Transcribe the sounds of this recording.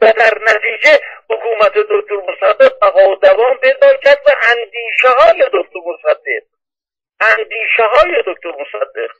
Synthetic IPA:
væd̪æɾnæt̪ʰiːd͡ʒehokʰuːmæt̪ʰe̞d̪ok̚t̪oɾmosæd̪ːeq̚bæɣɒːod̪ævɒːnped̪ɒːncʰæɾd̪væʔænd̪iːʃeɦɒːjed̪okt̪ʰoɾmosæd̪ːeq̚ | ʔænd̪iːʃeɦɒːjed̪ok̚t̪ʰoɾmosæd̪ːḛq

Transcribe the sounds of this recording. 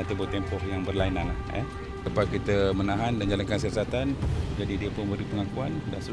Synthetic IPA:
at̪ibʊt̪ːempɔhjaŋbərlainanahɛ̰ | əpakit̪əmənaɦandand͡ʒalankans̬iasat̪and͡ʒadidiəpʊnmbəɾipəŋakuandansə

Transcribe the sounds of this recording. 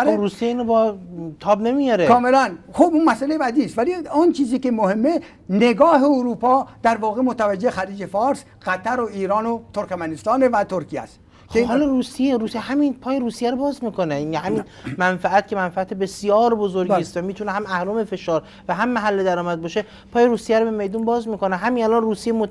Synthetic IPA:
ruːsijeiːnobɒt̪ʰɒːbnemijɒɾekɒːmelænxobunmæsælejebæd̪iːst̪væliɔnt͡ʃʰiːziːkemohemːe | ne̞ɡɒːɦeuɾuːpʰɒːd̪̥æɾvɒːɣemot̪ævæd͡ʒːexæɾiːd͡ʒe̞fɒːɾs | ɢ̥æt̪ʰæɾoiːɾɒːnot̪ʰoɾkmænest̪ɒːnevæt̪ʰoɾkʰiæ̰st̪ | kehɒːlɒɾuːsijeɾuːsieɦæminpʰɒːjeɾuːsijæɾobɒːzmiːkʰonenhæmiːn | mænfææt̪kcʰe̞mænfææt̪ʰebe̞sijɒːɾbozoɾɡiːst̪væmiːt̪ʰunehæmæhɾomefe̞ʃɒːɾ | væɦæmːæɦælːed̪æɾɒːmæd̪̚bɒːʃe | pʰɒːjeɾuːsijæɾobemejd̪unbɒːzmiːkoneɦæminælɒnruːsijemo

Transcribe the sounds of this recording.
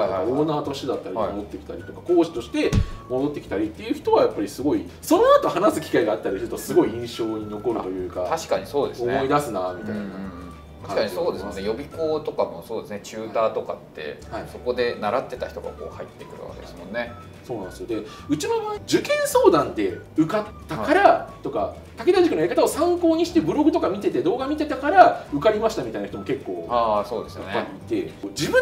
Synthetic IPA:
aihaoːnaːt̪o̞ɕid̪at̪ːaɾiaod̪ot̪ːe̞ki̥t̪aɾʲit̪o̞kako̞ːɕi̥t̪o̞ɕi̥t̪e̞mo̞d̪o̞t̪ːe̞kʲi̥t̪aɾʲit̪ːe̞jɯ̟çi̥t̪o̞βajapːaɾʲisɨɡo̞iso̞noat̪o̞hanasɨ̥kʲi̥kaiɡaːt̪ːaɾʲisɨɾɯ̟t̪osɨɡo̞iĩɰ̃ɕo̞ːɲ̟ino̞ko̞ɾɯ̟t̪o̞jɯ̟ːkat̪aɕi̥kaɲ̟iso̞ːd̪e̞sonmoe̞id̪asɨnamʲit̪aɯiɴnɯ̟̃ːɴ̃ː | t̪aɕikaɲiso̞ːd̪esɨmo̞nːe̞jo̞bʲiko̞ːt̪o̞kamo̞so̞ːd̪esɨne̞t͡ɕɨːt̪aːt̪o̞ka̰t̪ːe̞̰haiso̞ko̞d̪e̞naɾat̪ːe̞t̪a̰çi̥t̪oɡa̰ko̞̰ːhait̪ːe̞kɯ̟ɾɯ̟βa̰ked̪esmõ̞nːe̞ | so̞ːnãñsɨjod̪e̞ | ɯ̟t͡ɕinomad͡ʑɨkẽ̞ɰ̃so̞ːd̪ãnd̪e̞ɯ̟kat̪ːakaɾat̪o̞ka | t̪ake̞d̪aʑikɯ̟noeikat̪ao̞sãŋko̞ːɲ̟iɕi̥t̪e̞bɯ̟ɾo̞ɡɯ̟t̪o̞kamʲit̪e̞t̪e̞d̪o̞ːɡamʲit̪e̞t̪akaɾaɯ̟kaɾʲimaɕi̥t̪amʲit̪ainaç̥it̪omo̞ke̞kːo̞ːaːso̞ːd̪e̞sɨjanpːaɾʲiːt̪e̞d͡ʑibɯ̟̃

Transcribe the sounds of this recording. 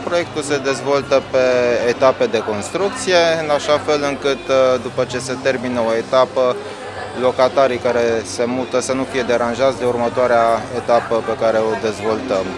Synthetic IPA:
pɾo̞je̞k̚t̪ulse̞d̪e̞zvo̞lt̪əpe̞ːt̪ape̞d̪e̞ko̞nst̪ɾuk̚t̪sije̞ɨnaʃafe̞lɨŋkɨt̪d̪upət͡ʃe̞se̞t̪e̞rminəo̞e̞t̪apə | lo̞kat̪aɾikaɾe̞se̞mut̪əsənufije̞d̪e̞ɾanʒat̪sʲd̪eurmət̪oaɾeaet̪apəpe̞kaɾe̞o̞d̪e̞zvo̞lt̪əm

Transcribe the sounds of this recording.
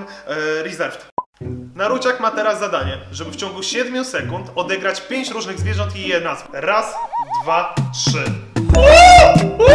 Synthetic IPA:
ɾizɛɾft̪naɾut͡ɕakmat̪ɛɾazːad̪aɲɛʐɛbɘft͡ɕɔ̃ŋɡuɕɛd̪mʲusɛkunt̪ɔd̪ɛɡɾat͡ɕpʲjeɲt͡ɕɾuʐnɘɣzvʲɛʐɔ̃nt̪ijɛd̪nazɾasd̪vatʂɘ

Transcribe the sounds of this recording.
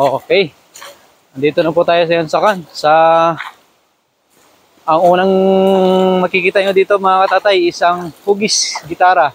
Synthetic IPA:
ʔokɛj | ɐnd̪iːt̪onɐp̬ut̪aːjosɐjansɐkansɐ | ʔɐŋuːnɐŋ | mɐkɪkiːt̪aʔɲod̪iːt̪omɐŋakɐt̪aːt̪ajɪsɐŋpuːɡɪsɡɪt̪aːɾa

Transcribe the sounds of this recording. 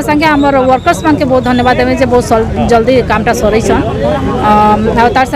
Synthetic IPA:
sə̃ŋkeɦəməɾwəɾkəɾsmankebɔɦut̪̚d̪ʱənjəbad̪ɛbẽd͡ʒebɔɦut̪sld͡ʒəld̪ikamʈasɔɾəjt͡ʃʰən | aɾt̪aɾs

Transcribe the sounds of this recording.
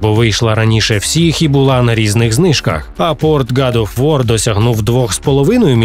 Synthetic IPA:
bɔʋɪjʃlˠɐɾɐnʲiʃɛwsʲixibʊlˠɑnɐɾʲiznɪɣznɪʃkɐ̰xɐpɔrt̪ɡɑd̪ɔfʋɔrd̪ɔsʲɐɦnuwd̪ʋɔxspɔlˠɔʋɪnɔjʊmʲ

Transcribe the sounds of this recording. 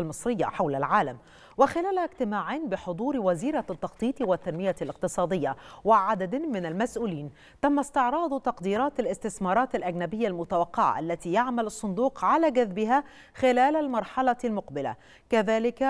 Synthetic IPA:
lmɨsˤɾɪjːa̰ħawlalʕaːlam | wɪxɪlæːlhæɡt̪ɪmaːʕiːnbɪħod̪ˤuːɾwæziːɾat̪ːɑxt̪ˤiːt̪ˤwɪt̪ːanmɪjalɪq̚t̪ɨsˤɑːd̪ɪjːawɪʕad̪ad̪mɪnalmæsʔuːliːn | t̪amːast̪ɪʕɾˤɑːd̪ˤt̪ɑqd̪iːɾɑːt̪alʔɪst̪ɪθmɑːɾˤɑːt̪alʔæɡnabɪjːalmʊt̪awaqːɑʕa̰ʔalːæt̪iːjaʕmalɑsˤːʊnd̪uːqʕalæːɡæðbɪɦa | xɪlæːlalmɑɾˤħɑlɑlmʊqbɪla̰ | kæðæːlɪk

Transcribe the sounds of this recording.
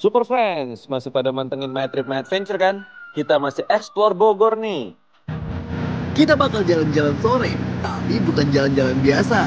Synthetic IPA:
supərfɾɛnsmasɪhpadamant̪əŋənmat̪ɾɪp̚mat̪̚fɛnt͡ʃərkanhit̪amasɪhʔɛksplɔrboɡɔrni | kit̪abakald͡ʒaland͡ʒalansoɾɛt̪apibukand͡ʒaland͡ʒalanbiasa

